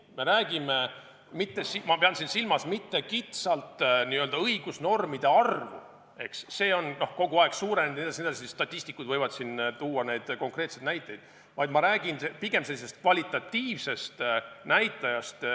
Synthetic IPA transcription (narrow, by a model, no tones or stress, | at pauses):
me̞ɾæːɡ̥ime̞ | mit̪ːesimɑpeɑnsinsilmɑsmit̪ːe̞kit̪sɑlt̪ˑniøld̪ɑɤjɡ̥usno̞rmid̪̥e̞ɑrvṵ | e̞ksːe̞ːo̞nno̞hko̞ɡ̥uɑe̞ɡ̥suːɾened̪ned̪ɑsined̪ɑsist̪ɑt̪ʲːˑisʲt̪ikˑːud̪̥vɤjvɑd̪̥sint̪uːɑne̞jd̪̥ko̞ŋkre̞ːt̪se̞d̪næjt̪ːˑejd̪̥ | vɑjd̪̥mɑɾæːɡ̥inepiɡ̥e̞mse̞lːise̞st̪̚kvɑlʲit̪ːˑɑt̪ʲːiːvse̞st̪næjt̪ːˑɑjɑst̪